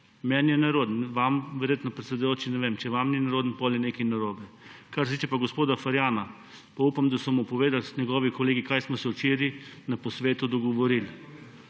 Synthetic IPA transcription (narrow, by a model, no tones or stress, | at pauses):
mɛnjɛnaɾoːd̪nʋamʋɛɾjeːt̪nɔpɾɛt̪sɛd̪ʊjoːt͡ʃinɛʋeːmt͡ʃɛʋamninaɾoːd̪npɔljɛnekinaɾobɛ | kaɾset̪iːt͡ʃɛpaɡospoːd̪afaɾjaːna | paupamd̪asɔmupɔʋeːd̪alsɲɛɡɔːʋikɔleːɡikajsmɔsɛut͡ʃeːɾinapɔsʋeːt̪ud̪ɔɡɔʋɔɾil